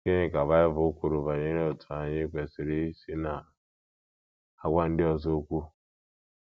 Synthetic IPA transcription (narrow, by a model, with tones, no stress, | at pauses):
ke˦ɲɪ˦ka˨ba˦ɪ˦vʊ˨˦kʷu˦ɾʊ˨va˨ɲe˦ɾe˦ɔ˨tʰʊ˨a˨ɲɪ˦kʷe˨sɪ˨ɾe˦i˦si˦na˨ | a˦ɡʷa˦n̩˦dɪ˦ɔ˦zo˦o˦kʷu˦